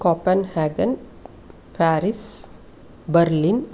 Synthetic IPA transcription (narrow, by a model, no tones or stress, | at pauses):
kɔːpənhaːɡɐn | pæːɾɪs | bɐɾlin